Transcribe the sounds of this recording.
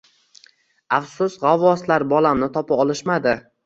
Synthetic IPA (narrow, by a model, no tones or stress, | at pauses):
afsʊsʁavːɒslaɾbɒlamnɪt̪ʰɒpʰaɒlɪʃmad̪ɪ